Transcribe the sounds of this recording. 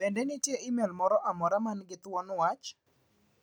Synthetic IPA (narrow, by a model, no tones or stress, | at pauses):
pɛndɛnɪtjeʔɪmɛlmɔɾɔʔamɔɾamanɡɪt̪wɔnwat͡ʃ